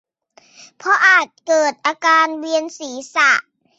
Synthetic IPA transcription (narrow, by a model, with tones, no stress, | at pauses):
pʰɔ˧ʔaː˨˩t̪̚kɤː˨˩t̪̚ʔaː˧kaː˧nwi˧ənsiː˩˦sa˧˩ʔ